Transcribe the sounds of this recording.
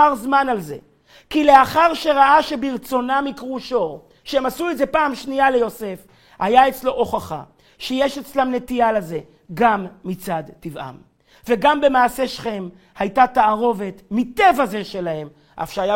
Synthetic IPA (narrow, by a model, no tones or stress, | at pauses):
aʁzmanalze̞̰ | kile̞aχaʁʃe̞ʁaʔaʃebiʁt͡so̞namikʁuʃo̞ | ʃeemasuedze̞paːmʃniale̞jo̞se̞f | hajaet͡slo̞ʔoχaχa̰ | ʃejeʃet͡slamne̞t̪ialaze̞ | ɡamːit͡sad̪tiva̰m | ve̞ɡambe̞maːse̞ʃχe̞m | hajtataːʁo̞ve̞t̪mit̪e̞vaze̞ʃe̞lahe̞m | ʔa̰fʃeaja